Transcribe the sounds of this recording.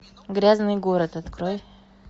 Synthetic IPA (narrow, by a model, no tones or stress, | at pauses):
ɡɾʲaznɨjɡo̞ɾət̪ɐt̪kɾoj